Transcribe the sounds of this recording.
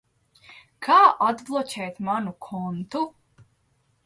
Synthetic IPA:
kʰaːʔad̪blˠɔt͡ɕʲɛjt̪manukʰɔnt̪u

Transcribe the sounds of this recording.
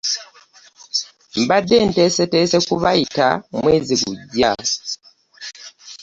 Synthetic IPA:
m̩badentesetesekuβaita̰mweːziɡuɟːa

